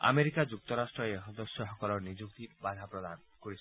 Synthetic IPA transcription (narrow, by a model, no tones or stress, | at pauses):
a̰meɾikad͡ʒuk̚t̪ɔɾasʈɾɔeɦɔd̪ɔsjɔɦɔkɔlɔnid͡ʒuk̚t̪ibad̪ʱapɾɔd̪anɔkɔɾis